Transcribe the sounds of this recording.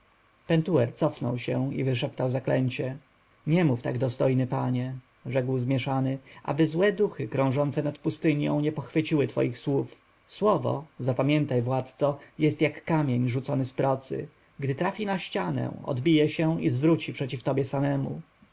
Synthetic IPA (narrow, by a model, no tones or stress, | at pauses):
pɛnt̪uɛɾt̪sɔfnɔwɕɛḭvɘʂɛpt̪awzaklɛɲt͡ɕɛ | ɲɛmuft̪a̰ɡd̪ɔst̪ɔjnɘpaɲɛ | ʐɛkwzmʲjɛʂanɘʔa̰bɘzwɛd̪uxɘkɾɔ̃w̃ʐɔnt̪sɛnat̪pust̪ɘɲjɔ̰̃w̃ɲɛpɔxfɘt͡ɕiwɘt̪fɔ̰jixswuf | swɔvɔ̰zapamʲjɛnt̪ajvwat̪t̪sɔjɛst̪jakːamʲjeɲʐut̪sɔnɘspɾɔt̪sɘ̰ | ɡd̪ɘt̪ɾafʲinaɕt͡ɕanɛ̰̃ɔ̰d̪bʲijɛɕɛizvɾut͡ɕipʂɛt͡ɕift̪ɔbʲjɛsamɛmṵ